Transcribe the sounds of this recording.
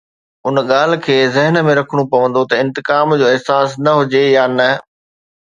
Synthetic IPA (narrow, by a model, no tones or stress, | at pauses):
ʊnɠaːl̤ɪ̆kʰeːzɪɦən̆mẽɾɐkʰəɽ̃upɐʋə̃nd̪ot̪ɐɪ̃nt̪ɪkaːmd͡ʑoːɪɦsaːsnɐɦʊd͡ʑejaːnɐ